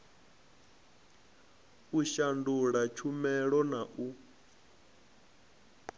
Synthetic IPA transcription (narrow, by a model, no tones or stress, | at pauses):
uʃanduɺat͡ʃʰumɛɺɔnaʔu